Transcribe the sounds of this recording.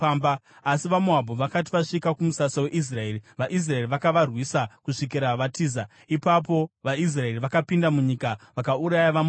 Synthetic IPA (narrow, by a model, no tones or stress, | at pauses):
ambːsiʋamuɦabʱoʋakat̬iʋaʂikakumusasowe̞ʔis̬rae̞ːriʋaʔis̬rae̞riʋakaʋarwisakuʂik̬iɾaʋatiːza | ipap̬o̞ʋais̬rae̞riʋakapindamuɲiːkaʋakauɾajaʋam